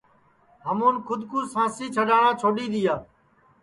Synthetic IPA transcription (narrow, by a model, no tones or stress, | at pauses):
ɦəmoːnkʰʊd̪ʱkuːsãːsiːt͡ʃʰəɗaːɳãːt͡ʃʰoːɗiːɗ̪ijaː